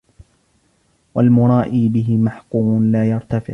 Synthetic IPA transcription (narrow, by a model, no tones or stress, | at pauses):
walmʊɾˤɑːʔiːbɪɦɪmaħquːmnlaːjɑɾˤt̪afɪʕ